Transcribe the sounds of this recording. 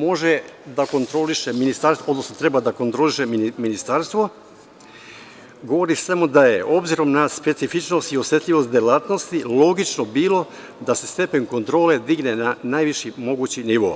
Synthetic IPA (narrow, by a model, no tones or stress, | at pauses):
mo̞ʒe̞d̪ako̞nt̪ɾo̞liʃe̞minist̪aɾso̞d̪no̞snot̪ɾe̞bad̪ako̞nt̪ɾo̞liʃe̞miminist̪aɾst̪ʋo̞ | ɡo̞ʋo̞ɾisamud̪ajeʔo̞bziɾo̞mnaspe̞t̪sifit͡ʃno̞st̪io̞sjet̪ʎʲiʋo̞st̪d̪jelaːt̪no̞st̪ilo̞ɡit͡ʃno̞biːlˠo̞ | d̪ase̞st̪e̞pe̞ɲko̞nt̪ɾo̞ːle̞d̪iɡnenanajʋiʃimo̞ɡut͡ɕiniʋo̞̰ː